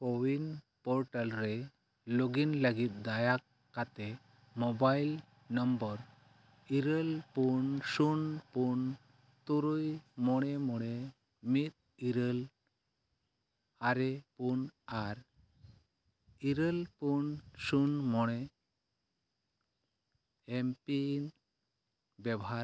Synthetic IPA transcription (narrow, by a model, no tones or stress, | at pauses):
koʋin | pɔɾʈəlɾe | loɡinləɡit̪̚d̪ajakː | at̪e | mobail | nəmbəɾ | iɾəlpuɳsunpuɳ | t̪uɾujmoɽ̃emuɭe | mit̪̚ | iɾəl | aɾepunaɾ | iɾəlpunsunmɔɽ̃e | empin | bɛbɔɦa